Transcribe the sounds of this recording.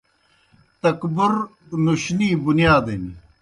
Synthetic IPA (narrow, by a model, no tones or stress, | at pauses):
t̪ɐkbʊɾ | nuɕniːbunijaːd̪eni